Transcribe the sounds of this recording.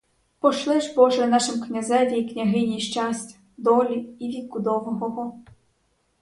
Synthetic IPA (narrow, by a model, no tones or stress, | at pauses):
pɔʃlˠɪʒpɔʒɾenɑʃɪmknʲɐzɛʋʲijknʲaɦɪnʲijʃt͡ʃasʲtʲɐ̥ | d̪ɔlʲiːʋʲid̪̚kʊd̪ɔʋɔɦɔɦɔ